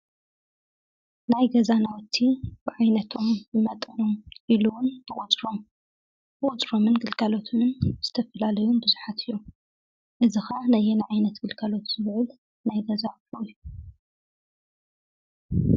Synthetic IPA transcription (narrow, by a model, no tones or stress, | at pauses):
najɡɐzanawɔt̪ʰːib̥ɨʕajnɐt̪ʰo̞mjɨmɐt̪ʼʕomʔiluwʊnb̪ɨkʼut͡sʼɾom | bɨkʼʊt͡sʼɾo̞mɨnɡɨlkalo̞t̪ʰmɨnz̥ɨt̪ʰɐfɐlalɐjunbɨzuħat̪ʰɨjːu | ʔɨzɨxɐnɐjenaʕajnɐt̪ɡ̥ɨlɡʰalo̞t̪z̥ɨβɨʕɨl | najɡɐzaloju